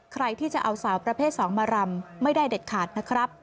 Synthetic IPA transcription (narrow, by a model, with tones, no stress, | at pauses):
kʰɾa˧jt̪ʰiː˥˩t͡ɕa˨˩ʔa˧wsaː˩˦wpɾa˧pʰeː˥˩t̪̚sɔː˩˦ŋmaː˧ɾa˧mma˥˩jdaː˥˩jde˨˩t̪̚kʰaː˨˩t̪̚na˦˥kʰɾa˦˥p̚